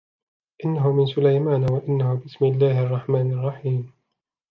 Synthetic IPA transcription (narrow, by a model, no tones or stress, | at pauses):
ʔɪnːaɦʊmɪnsʊlajmaːnawaʔɪnːahʊbɪsmɪlːaːɦʔɑrˤːɑħmaːnɑrˤːɑħiːm